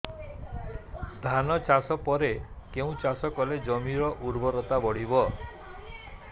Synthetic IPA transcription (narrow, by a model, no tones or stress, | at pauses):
d̪ʱanɔt͡ʃasɔpɔɾekeũt͡ʃasɔkɔled͡ʒɔmiɾɔʔuɾbɔɾɔt̪abɔɽ̤ibɔ